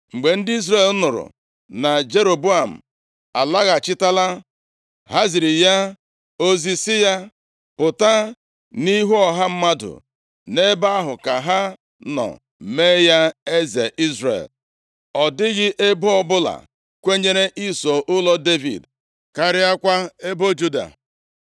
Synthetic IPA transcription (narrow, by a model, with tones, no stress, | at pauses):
ŋ͡m̩˨ɡ͡be˨n̩˦dɪ˦i˦z̬ɾe˦˨l̩˦nʊ˨ɾʊ̰˨ | na˨d͡ʒe˦ɾo˨bu˦a˨m̩̰˨ | a̰˨la˦ɣa˨t͡ʃɪ˦ta˦la˦ | ɦa˦zi˨ɾi˨ja˦ | o˦zi˨sɪ˦ja˦ | pʊ˨ta˦ | ni˦ɦu˦ɔ˨ɦa˦m̩˦ma˦dʊ̰˨ | ne˦ba˦ɦʊ˨ka˨ɦa˦ | nɔ̰˨ | me˦ja˦e˦zḛ˨ʔi˦zɾḛ˨l | ɔ˨dɪ˦ɣɪ˦ʔe˦bo˦ɔ˦bʊ˦la̰˨ | kʷe˦ɲe˦ɾe˦ʔi˦so˨ʔʊ˦lɔ˦de˦vḭ˨d | ka˨ɾɪ˦a˦kʷa˦e˦bo˦d͡ʒu˦da̰˨